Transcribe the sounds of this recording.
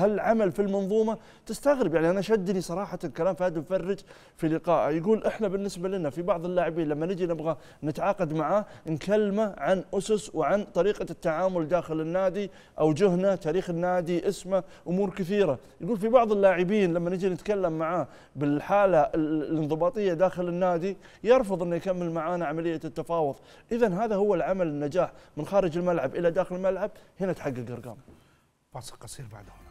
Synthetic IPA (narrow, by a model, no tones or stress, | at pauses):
halʕamalfilmɑnðˤuːmɑ | t̪ɪst̪aɣɾɪbjaʕniʔanaʃad̪ːnisˤɑɾˤɑːħalkalaːmfaːd̪ɪmfɑrˤːɪd͡ʒ | filɪqɑːʔajɡuːlʔɪħnabɪnːɪsbalɪnafibɑʕðˤɪlːaːʕɪbiːnlamːanɪd͡ʒinɪbɣa | nɪt̪ʕɑːqɑd̪maʕaːnkalːmaʕanʔʊsʊswʕant̪ˤɑɾiːqat̪ːaʕaːmʊld̪aːxɪlɪnːaːd̪i | ʔawd͡ʒʊhnat̪aːɾiːxɪnːaːd̪iʔɪsmaʔʊmuːɾkɪθiːɾa | jɡuːlfibɑʕðˤɪlːaːʕɪbiːnlamːanɪd͡ʒinɪt̪kalːamːaʕaː | bɪlħaːlalɪnðˤɨbɑːt̪ˤɨjːad̪aːxɪlɪnːaːd̪i | jɑɾˤfʊðˤʔɪnːuʔakamːɪlmaʕaːnaʕamalɪjːat̪ːɑfɑːwʊðˤʔɪðanɦaːðahʊwːalʕamalɪnːad͡ʒaːħmɪnxaːɾɪd͡ʒɪlmalʕabʔɪlːad̪aːxɪlɪlmalʕab̚hɪnat̪ħaɡːɪlɡɑ̰ɾˤɡa̰ːm | fɑːsˤlqɑsˤiːɾba̰ʕd̪hʊ